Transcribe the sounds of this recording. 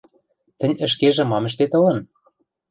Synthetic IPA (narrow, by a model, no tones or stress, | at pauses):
t̪ɘ̆nʲə̆ʃ̬keʒɘ̆mɑmɘ̆ʃ̬t̪et̪ɤ̆lɤ̆n